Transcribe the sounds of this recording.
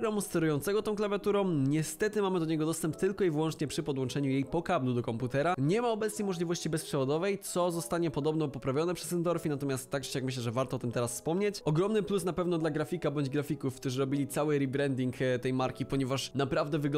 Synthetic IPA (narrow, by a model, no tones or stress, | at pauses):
ɡɾamust̪ɛɾujɔnt̪sɛɡɔt̪ɔ̃w̃klavʲjat̪uɾɔ̃w̃ɲɛst̪ɛt̪ɘmamɘd̪ɔɲɛɡɔd̪ɔst̪ɛmpt̪ːɘlkɔivɘwɔ̃nt͡ʂɲɛpʂɘpɔd̪wɔ̃nt͡ʂɛɲujejpɔkablud̪ɔkɔmput̪ɛɾaɲɛmaɔbɛt̪sɲejmɔʐlʲivɔɕt͡ɕibɛspʂɛvɔd̪ɔvɛjt̪sɔzɔst̪aɲɛpɔd̪ɔbnɔpɔpɾavʲjɔnɛpʂɛzɛnd̪ɔɾfʲinat̪ɔmʲast̪ːaɡd͡ʑɕjakmɘɕ̬lɛʐɛvaɾt̪ɔɔt̪ɘmt̪ɛɾasfspɔmɲet͡ɕɔɡɾɔmnɘplusnapɛvn̪ɔd̪laɡɾafʲikabɔɲd͡ʑɡɾafʲikufkt̪uʐɘɾɔbʲilʲit̪sawɘɾibɾɛnd̪ʲiŋkt̪ɛjmaɾkʲipɔɲɛvaʂnapɾavd̪ɛvɘɡ